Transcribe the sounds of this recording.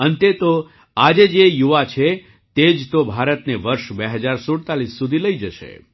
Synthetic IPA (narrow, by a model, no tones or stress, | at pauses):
ənt̪et̪o | ad͡ʒed͡ʒejuʋat͡ʃʰe | t̪ed͡ʒt̪obʱaɾət̪neʋəɾʃbeɦəd͡ʒaɾsoɽt̪alisːud̪ʱiləid͡ʒəʃḛ